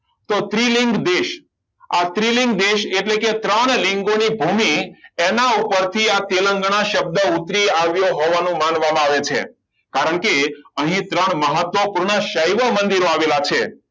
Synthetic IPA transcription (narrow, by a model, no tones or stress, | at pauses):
t̪ot̪ɾilɪŋɡd̪eʃ | at̪ɾilɪ̃ŋɡd̪eʃeʈleket̪ɾəɳlɪŋɡonibʱumienaupəɾt̪ʰiat̪eləŋɡɳ̃aʃəb̚d̪əut̪ɾiaʋjoɦɔʋanũmanʋamãaʋet͡ʃʰḛ | kaɾəɳkeəɦĩt̪ɾəɳ̃məɦət̪ʋəpuɾɳ̃əʃəjʋəmənd̪iɾoaʋelat͡ʃʰe